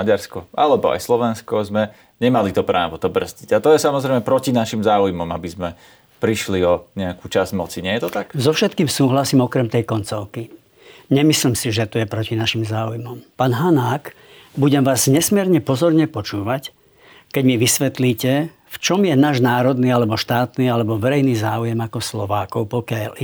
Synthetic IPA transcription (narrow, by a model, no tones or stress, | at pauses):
aɟaɾskɔalɛbɔa̰jslɔʋɛnskɔzmɛ | ɲɛmalit̪ɔpɾaːʋɔt̪ɔbr̩zɟiɟat̪ɔjɛsamɔzɾɛjmɛpɾɔcinaʃimzaːujmɔmabizmɛ | pɾiʃliɔɲɛakuːt͡ʃazmɔt͡siɲɪɛjɛt̪ɔt̪akzɔfʃɛt̪kiːmsuːɦlasiːmɔkɾɛmt̪ɛjkɔnt͡sɔʊki | ɲɛmisliːmsiʒɛt̪ɔjɛpɾɔcinaʃimzaːujmɔmpaːnɦanaːk | buɟɛmʋaːzɲɛsmɪɛɾɲɛpɔzɔɾɲɛpɔt͡ʃuːʋac | kɛɟmiʋisʋɛt̪liːcɛ | ft͡ʃɔmjɛnaːʒnaːɾɔd̪niːalɛbɔʃt̪aːt̪niːalɛbɔʋɛɾɛjniːzaːujɛmakɔslɔʋaːkɔʊpɔkjaʎ